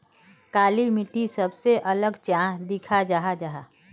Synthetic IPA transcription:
kaːlimɪʈisəbseʔɐləɡt͡ʃãːd̪ɪkʰad͡ʒaɦad͡ʒaɦa

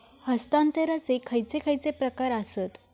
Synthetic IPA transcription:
həst̪ant̪əɾat͡sekʰəjt͡sekʰajt͡sepɾəkaɾasət̪

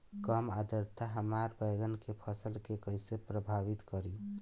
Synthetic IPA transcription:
kəmad̪əɾt̪aɦəmaɾbəjɡənkepʰəsəlkekəjsepɾəbʱaβit̪kəɾi

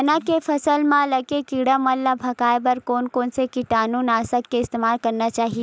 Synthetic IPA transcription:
ɐnãkefʰɐsəlmãlɐkekiɽamɐlːabʱɐkaːjbɐɾkoːnkoːnsekiʈaːnuːnaːsəkːeɪst̪eːmaːlkɐɾnat͡ʃaːɦie

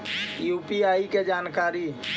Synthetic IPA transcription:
juːpiaːiked͡ʒaːnkaːɾi

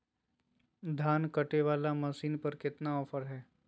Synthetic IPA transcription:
d̪ʱaːnkɐʈeʋaːlamɐsiːnpɐɾkɪt̪naɔːfʰəɾɦɛː

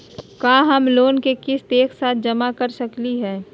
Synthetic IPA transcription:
kaːɦɐmloːnkekɪst̪eːksaːt̪̚ʰd͡ʒɐmakɐɾsɐkliɦɛː

